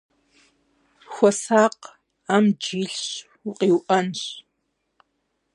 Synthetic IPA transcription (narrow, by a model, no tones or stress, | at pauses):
xʷɔsaːq | aːmd͡ʒiːɬɕ | uqʼiwʔɐnɕ